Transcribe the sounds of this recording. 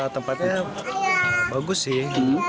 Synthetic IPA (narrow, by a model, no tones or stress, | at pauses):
t̪əmpat̪̚ɲa | baɡʊsːɪh